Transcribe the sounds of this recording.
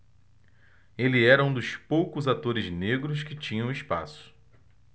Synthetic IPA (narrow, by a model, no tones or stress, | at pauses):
elɪɛɾɐũd̪ʊspowkʊzat̪oɾɪzneɡɾʊs̬kɪt͡ʃĩɲɐ̃w̃ɪspa̰sʊ̥